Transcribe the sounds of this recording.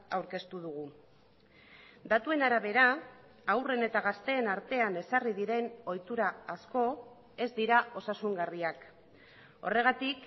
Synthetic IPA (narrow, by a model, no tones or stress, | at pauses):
awɾke̞st̪uð̞uɣ̞u | d̪at̪ue̞naɾaβ̞e̞ɾaː | wre̞ne̞t̪aɣ̞ast̪e̞ːnaɾt̪e̞ane̞sarið̞iɾe̞no̞jt̪uɾaːsko̞ | e̞zd̪iɾaʔo̞sasuŋɡariak | o̞̰re̞ɣ̞at̪ik